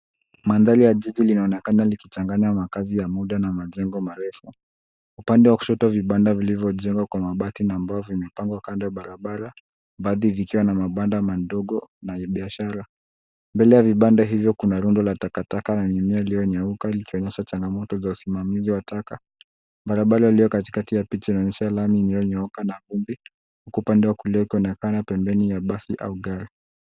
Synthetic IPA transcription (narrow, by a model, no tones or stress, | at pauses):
mandaɾijaʄiʄilinaɔnɛkanalikit͡ʃaŋɡaɲamakazijamuɗanamaʄɛŋɡɔmaɾɛfu | upandɛwaku̥ʃɔtaviɓandavilivjɔʄɛŋɡwakwamaɓatinaːmbaɔvimɛpaŋɡwakandaɓaɾaɓaɾa | baðivikiwanamaɓandamandɔɡɔnaɓiaʃaɾa | mbɛlɛjaviɓandaɦivjɔkunaɾundɔlatakatakanaɲimiailijɔɲaukalikiɔɲɛʃat͡ʃaŋɡamɔtɔzausimamiziwataka | mɓaɾaɓaɾailijɔkati̥katijapit͡ʃainɔɲɛʃalamiːnijɔɲaukanavumbi | hukuːpandɛwakuliɔikiɔnɛkanapɛmbɛnijaɓasiʔa̰uɡaɾi